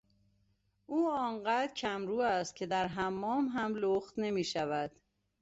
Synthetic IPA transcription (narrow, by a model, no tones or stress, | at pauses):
ʔuːɒːɴɢæːd̪cʰæmɾuːæst̪̚cʲʰe̞d̪æɾɦæmːɒːmɦæmloxt̪ne̞miːʃævæd̪̥